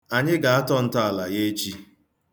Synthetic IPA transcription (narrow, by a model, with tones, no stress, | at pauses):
a˨ɲɪ˦ɡa˨a˦tɔ˦n̩˦ta˦a˨la˨je˦t͡ʃi˦